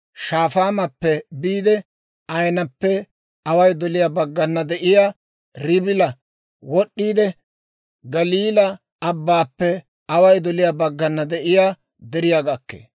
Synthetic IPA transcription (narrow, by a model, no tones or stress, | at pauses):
ʃaːfaːmɐpːɛbiːd̪ɛ | ɐjnɐpːɛ | ɐwɐjd̪ɔlɪjabɐɡːɐnːɐd̪ɛʔɪjaː | ɾɪbɪlɐ | wɔɗːiːd̪ɛ | ɡɐliːlɐ | ɐbːaːpːɛ | ɐwɐjd̪ɔlɪjabɐɡːɐnːɐd̪ɛʔɪjaː | d̪ɛɾɪjaɡɐkːḛː